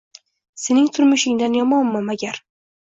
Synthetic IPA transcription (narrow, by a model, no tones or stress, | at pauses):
se̞nɪŋt̪ʰʊɾmʊʃɪŋd̪anjɒmɒnːɪmaɡʲaɾ